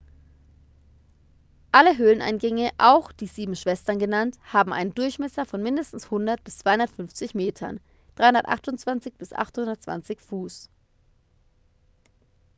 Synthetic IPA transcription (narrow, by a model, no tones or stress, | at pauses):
ʔaləɦøːlənʔa̰ɪnɡɛŋəʔaʊxd̥iːziːbm̩ʃv̥ɛstɐnɡənanthaːbm̩ʔa̰ɪnəndʊɐçmɛsɐfɔnmɪndəstn̩shʊndɐt̚b̥ɪst͡sv̥aɪhʊndɐtfʏnft͡sɪçmeːtʰɐ̰n | d̥ʁaɪhʊndɐtʔa̰χtʊnt͡sv̥ant͡sɪçb̥ɪsʔa̰χthʊndɐtt͡sv̥a̰nt͡sɪçfuːs